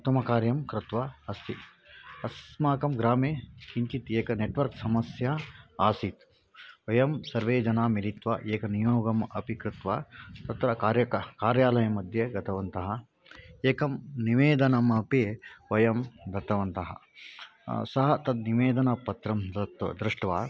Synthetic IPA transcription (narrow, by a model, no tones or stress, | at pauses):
ut̪ːɐmɐkaːɾjɐmkɾɪt̪ʋɐɐst̪ʰi | ɐsmaːkɐmɡɾaːmeːkiɲt͡ʃit̪eːkɐneʈʋɐɾksɐmɐsjaaːsit̪ | ʋɐjɐmsɐɾʋeːd͡ʒɐnaːmiɾit̪ʋɐʔeːkɐnijoːɡɐmɐpikɾɪt̪ʋat̪ɐt̪ɾɐkːɾjɐkkaːɾjaːlɐjɐmɐd̪ʱjeɡɐt̪ʰɐʋɐnt̪ɐɦɐ | eːkɐmniʋeːd̪ɐnɐmɐpeʋɐjɐmd̪ʱɐt̪ɐʋɐnt̪ɐɦɐ̰ | sɐɦɐt̪ɐd̪niʋeːd̪ɐnɐpːɐt̪ɾɐmd̪ɐt̪ɐ̰d̪ɾɪʂʈʋaː